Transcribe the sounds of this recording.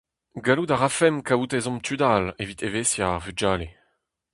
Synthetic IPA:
ɡalud̪aʁafɛmkawut̪ezɔ̃mt̪ʰyd̪alevit̪eveːsjaːʁvyd͡ʒaːle

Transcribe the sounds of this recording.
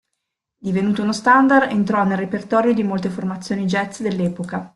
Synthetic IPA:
d̪ivenuːt̪ounost̪and̪arent̪ɾɔnːelrːepert̪ɔːɾjod̪imolt̪eformat̪sːjoːnid͡ʒɛt̪sd̪elːɛːpoka

